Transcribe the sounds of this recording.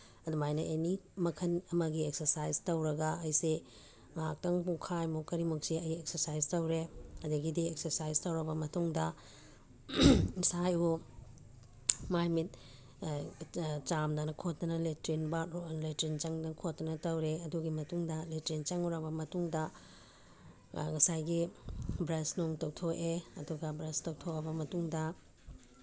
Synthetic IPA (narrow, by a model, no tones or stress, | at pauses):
ɐdumajnɐʔenimɐkʰɐnɐmɐɡiek̚sɐɾsajztɐwɾɐɡɐɐjse | ŋak̚tɐŋpukʰajmukɐɾimuksiɐjek̚sɐɾsajztɐwɾeɐdɐɡidieksɐɾsajztɐwɾɐbɐmɐtuŋdɐ | saju | majmit̚ | t͡ʃamdɐnɐkʰot̚nɐnɐletɾinbɐletɾint͡ʃɐŋdɐkʰotnɐnɐtɐwɾeɐduɡimɐtuŋdɐletɾint͡ʃɐŋuɾɐbɐmɐtuŋdɐ | ŋɐsajɡibɾɐsnoŋtɐwtʰokeɐduɡɐbɾɐstɐwtʰokɐbɐmɐtuŋdɐ